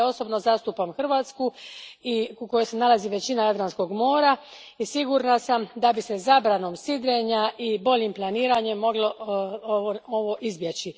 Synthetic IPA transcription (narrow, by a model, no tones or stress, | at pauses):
o̞so̞bnozast̪upamxr̩ʋaːt̪skuiuko̞jo̞jsenalˠaziʋe̞t͡ɕinajad̪ɾansko̞ɡmo̞ːɾa | isiɡuɾnasamd̪abise̞zabɾano̞msid̪ɾeɲaʔibo̞ʎimplˠaniːɾaɲe̞mːo̞ɡlˠoooʋoʔizbjet͡ɕi